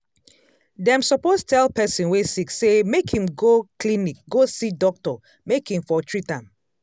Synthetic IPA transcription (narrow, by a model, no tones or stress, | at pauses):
dɛ̃msɔpostʰɛlpɛsĩnwesiksemekhĩmɡoklinik̚ɡosidɔk̚tɔ | mekhĩmfɔtʰɹitãm